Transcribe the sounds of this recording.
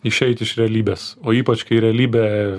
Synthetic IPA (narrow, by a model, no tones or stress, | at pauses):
ɪʃʲɛɪt̪ʲɪʃɾʲɛɐlʲiːbʲeːsoːiːpɐt͡ʃkɐɪɾʲɛɐlʲiːbʲɛ